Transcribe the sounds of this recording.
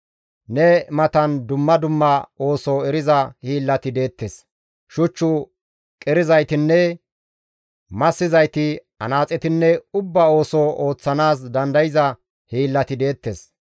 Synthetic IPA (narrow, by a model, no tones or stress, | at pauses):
nɛmɐt̪ɐnd̪ʊmːɐd̪ʊmːɐo̞ːsoɛɾɪzɐhiːlːɐt̪ɪd̪e̞ːt̪ːes | ʃʊt͡ʃːʊ | kʼɛɾɪzɐjt̪ɪnːɛ | mɐsːɪzɐjt̪ɪ | ɐ̰naːt͡sʼɛt̪ɪnːɛʊbːɐo̞ːsoʔo̞ːt͡sːɐnaːs̬d̪ɐnd̪ɐjɪzɐ | hiːlːɐt̪ɪd̪e̞ːt̪ːes